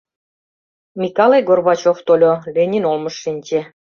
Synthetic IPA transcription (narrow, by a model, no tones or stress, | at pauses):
mʲikɑlejɡorβɑt͡ɕoft̪olʲolʲenʲinolmɤ̆ʃːinʲt͡ɕe